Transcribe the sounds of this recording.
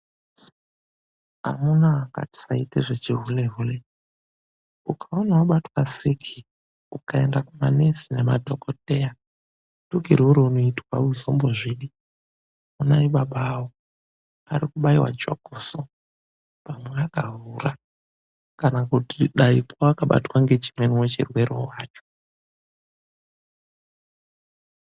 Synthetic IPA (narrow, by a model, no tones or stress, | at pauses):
a̰munaːka̰ti̥saiteʐet͡ʃiɦuleɦule | ukʰaonawaɓatwasikʰi | ukae̞ndakumanesine̞madʱokoteja | tuɡʱḭɾeuɾeunoitwauzomboʐiɗi | unaiɓaɓaːwo | a̰ɾikuɓaiwa̰d͡ʒo̰ɡ̥ʱoso | pamweakavuːra | kanakutiɗaikoakaɓa̰twaŋɡe̞t͡ʃi̥mweniwet͡ʃirwe̞ɾowaːt͡ʃo̥